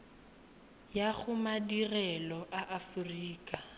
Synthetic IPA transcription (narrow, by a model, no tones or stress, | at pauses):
jaɣʊmadirɛlɔʔaʔafuriːkʼa